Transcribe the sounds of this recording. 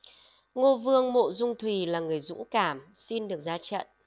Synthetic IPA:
ŋo˧vɨ˧əŋmo̰˧˨zʊ˧ŋ͡mt̪ʰwi˨˩laː˨˩ŋɨ˨˩əjzṵ˧˥kaː˧˩m | si˧nɗɨ˨˩ək̚zaː˧t͡ɕə̰˧˨n

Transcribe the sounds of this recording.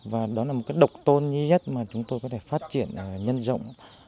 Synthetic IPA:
vaː˨˩ɗɔ˨˦laː˨˩o˨˩kaː˨˦jɗə˨˩wk͡p̚t̪o˧nɲi˧ɲə˦˥t̚maː˨˩t͡ɕʊ˨˦ŋ͡mt̪o˧jkɔ˨˦t̪ʰe˧˩faː˦˥t̚t͡ɕi˧˩˨ənː˨˩ɲə˧nzə̰˧˨wŋ͡m

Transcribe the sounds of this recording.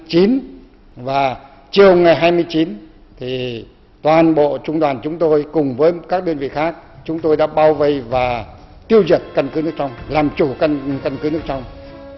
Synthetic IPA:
t͡ɕi˨˦n | vaː˨˩ | t͡ɕi˨˩əwŋa˨˩jɦaː˧jmɨ˧əjt͡ɕi˨˦n | t̪ʰi˨˩ | t̪waː˨˩nɓo̰˧˨t͡ɕʊ˧ŋ͡mɗwaː˨˩nt͡ɕʊ˨˦ŋ͡mt̪o˧jkʊ˨˩ŋ͡mvəː˨˦jkaː˦˥k̚ɗəː˧ənvḭ˧˨xaː˦˥k̚t͡ɕʊ˨˦ŋ͡mt̪o˧jɗa̰ː˧˥ɓaː˧wvə˧jvaː˨˩ | t̪i˧əwzə˨˩t̚kə˧nkɨ˨˦nɨ˦˥ək̚t͡ɕa˧wŋ͡mlaː˨˩mt͡ɕu˧˩ka˧nkə˧nkɨ˨˦nɨ˦˥ək̚t͡ɕa˧wŋ͡m

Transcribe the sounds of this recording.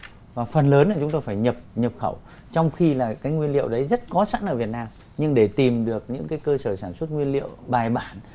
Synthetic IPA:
vaː˨˩fə˨˩nləː˨˦nlaː˨˩t͡ɕʊ˨˦ŋ͡mt̪o˧jfaː˧˩jɲə˨˩p̚ɲə˨˩p̚xə˧˩w | t͡ɕɔ˧wŋ͡mxi˧laː˨˩kaː˨˦jŋwi˧ənlḭ˧˨əwɗə˨˦jzə˦˥t̚kɔ˨˦sa̰ː˧˥nʔəː˧˩vi˨˩ət̚naː˧m | ɲɨ˧ŋɗe˧˩t̪i˨˩mɗɨ˨˩ək̚ɲɨ̰˧˥ŋkaː˨˦jkəː˧səː˧˩saː˧˩nswə˦˥t̚ŋwi˧ənlḭ˧˨əwɓaː˨˩jɓaː˧˩n

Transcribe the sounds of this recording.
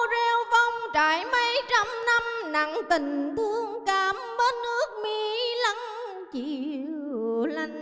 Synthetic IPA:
wzɛ˧wvɔ˧wŋ͡mt͡ɕaː˧˨˦jmə˧˦jt͡ɕa˧mna˧mna˨˩ŋt̪ï˨˩ŋ̟t̪u˧˦əŋkaː˨˩mɓəː˨˦n̚nɨ˦˥ək̚mi˧˦lə˨˦ŋ | t͡ɕi˧˩ | la˧˩jŋ̟

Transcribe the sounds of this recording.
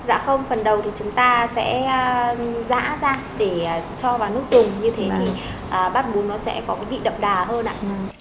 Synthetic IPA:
za̰ː˧˥xə˧wŋ͡mfə˨˩nɗə˨˩wt̪ʰi˨˩t͡ɕʊ˨˦ŋ͡mt̪aː˧sɛ̰˧˥˧za̰ː˧˥zaː˧ | ɗe˧˩˨t͡ɕɔ˧vaː˨˩wnɨ˦˥ək̚zʊ˨˩ŋ͡mɲɨ˧t̪ʰe˨˦t̪ʰi˨˩ | ʔəː˨˩ɓaː˦˥t̚ɓu˨˦nːɔ˨˦sɛ̰˧˥kɔ˨˦ɗḭ˧˨ɗə̰˧˨wŋ͡mɗaː˨˩ɦəː˧nʔa̰ː˧˨

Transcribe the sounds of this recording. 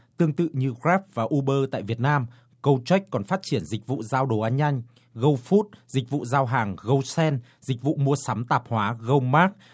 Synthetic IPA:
t̪ɨ˧əŋt̪ɨ̰˧˨ɲɨ˧ɣɹɛ˦˥p̚vaː˨˩ʔu˧ɓəː˧t̪a̰ː˧˨jvi˨˩ət̚naː˧m | kə˧wt͡ɕwa˦˥jk̟̚kɔ˨˩nfaː˦˥t̚t͡ɕi˧˩ənzï˨˩k̟̚vṵ˧˨zaː˧wɗo˨˩ʔaː˧nɲa˧jŋ̟ | ɣə˧wfu˦˥t̚zi˨˩k̟̚vṵ˧˨zaː˧wɦaː˨˩ŋɣə˧wsɛ˧n | zï˨˩k̟̚vṵ˧˨mu˧əsa˨˦mt̪aː˨˩p̚hwaː˨˦ɣə˧wmaː˦˥k̚

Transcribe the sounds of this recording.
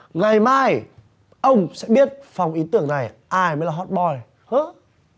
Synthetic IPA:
ŋa˨˩jmaː˧j | ʔə˧wŋ͡msɛ̰˧˥ɓi˦˥ət̚fa˨˩wŋ͡mʔi˨˦t̪ɨ˧˩˨əŋna˨˩jʔaː˧jməː˨˦jlaː˨˩hɔ˨˩t̚ɓɔ˨˩j | hə˧˦

